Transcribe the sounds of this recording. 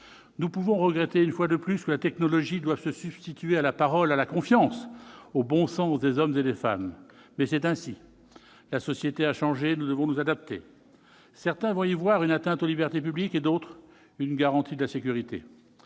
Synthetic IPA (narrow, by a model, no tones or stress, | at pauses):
nupuvɔ̃ʁəɡʁet̪eynfwad̪əplyskəlat̪ɛknɔlɔʒid̪wav̥səsyb̥st̪it̪yealapaʁɔlalakɔ̃fjɑ̃sobɔ̃sɑ̃sd̪ezɔmzed̪efa̰mːɛsɛt̪ɛ̃si | lasɔsjet̪eaʃɑ̃ʒenud̪əvɔ̃nuzad̪ap̚t̪ḛ | sɛʁt̪ɛ̃vɔ̃ivwaʁynat̪ɛ̃t̪olibɛʁt̪ep̬ybliked̪ot̪χ | ynɡaʁɑ̃t̪id̪əlasekʲyʁit̪ḛ